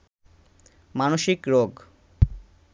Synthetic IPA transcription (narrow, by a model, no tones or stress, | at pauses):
manoʃikɾoɡ